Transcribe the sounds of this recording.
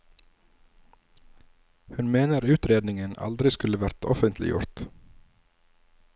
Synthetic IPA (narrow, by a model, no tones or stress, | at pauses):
hʉnmeːnəɾʉːt̪ɾeːd̪nɪŋənɑ̰ld̪ɾɪskʉləʋæɾt̪ʰɔ̰fənt̪ʰlɪ̰jʊ̰ɾt̪